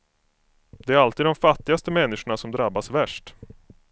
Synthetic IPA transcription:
d̪ɛæɾalt̪iːd̪ɔmfat̪ːɪɡast̪əmɛnːɪʂʊɳasɔmd̪ɾabːasvæʂʈ

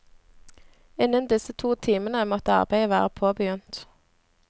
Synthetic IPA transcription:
ɪnːənd̪ɪsət̪ʰuːt̪ʰiːmənəmɔt̪əɑ̰ʁbæɪəʋæːʁəpʰoːbəjʉnt̪

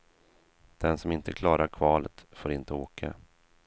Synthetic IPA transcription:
d̪̥ɛnsɔmɪnt̪əkʰlɑːɾaɾkʰvɑːlət̪foːɾɪnt̪əoːkʰa̰

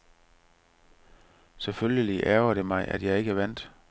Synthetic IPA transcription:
seføljəliʔæɐɐd̥e̝mɑ̈ɪʔæ̰d̥jɑ̈ɪe̝ɡ̥əʋæn̰d̥

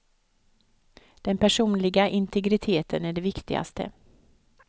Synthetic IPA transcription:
d̪̥ɛnpʰæʂuːnlɪɡaʔɪnt̪ʰɛɡɾɪt̪ʰeːt̪ʰənæɖɛvɪkt̪ɪɡa̰st̪ə̰

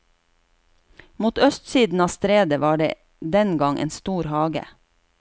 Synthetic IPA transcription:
muːt̪œst̪siːd̪n̩ɑːst̪ɾeːd̪əʋɑːɖḛː | d̪ɛnɡɑŋʔḛːnst̪uːɾhɑːɡə̰

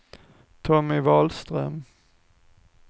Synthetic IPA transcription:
t̪ʰɔmɪvɑːlst̪ɾœm

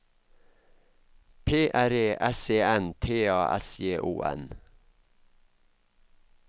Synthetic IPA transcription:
pʰeːʔæɾeːʔɛseːɛnt̪ʰeːɑːʔɛ̰sjeːʔṵːʔɛ̰n

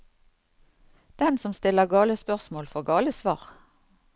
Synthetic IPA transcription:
d̪̥ɛnsɔmst̪ɪləʁɡɑːləspœʁsmoːlfɔʁɡɑːləsʋɑ̰ːʁ

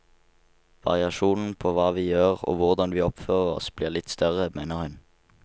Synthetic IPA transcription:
ʋɑ̰ʁɪɑʃuːnn̩pʰoːʋɑːʋiːjøːʁo̰ːʋʊʁd̪ɑnʋiːɔpføːʁəʁɔ̰sb̥liːʁlɪt̪st̪œʁəmeːnəʁhʉn

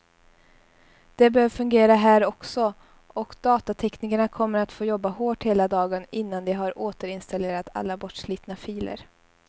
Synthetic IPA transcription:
d̪̥ɛbɛhøːvfɵŋɡeːɾaɦæːɾɔksɔ | ɔkd̪̥ɑːt̪at̪ʰɛknɪkaɳakʰɔmːəɾat̪foːjɔbːahoːʈheːlad̪ɑːɡənɪnːand̪ɛɦaɾoːt̪əɾɪnst̪aleːɾat̪ʰa̰lːabɔʈʂliːt̪nafiːlə̰ɾ

